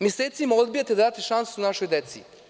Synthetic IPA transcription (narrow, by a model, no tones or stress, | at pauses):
mʲjeseːt̪simaod̪bijat̪ead̪aːt̪eʃansuunaʃo̞jd̪et̪sḭ